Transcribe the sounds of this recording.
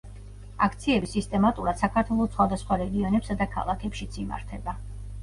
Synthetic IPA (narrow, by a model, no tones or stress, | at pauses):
akʰt̪sʰiɛbisist̪ʼɛmat̪ʼuɾad̪̥sakʰaɾt̪ʰwɛlˠɔt̪sʰχwad̪asχwaɾɛɡiɔnɛpsad̪akʰa̰lˠakʰɛpʃit̪sʰima̰ɾt̪ʰɛba